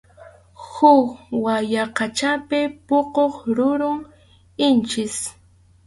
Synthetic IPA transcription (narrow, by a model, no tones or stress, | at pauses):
hʊkwajaqɑt͡ʃapɪpoqoχɾʊɾʊŋ | ɪnt͡ʃɪs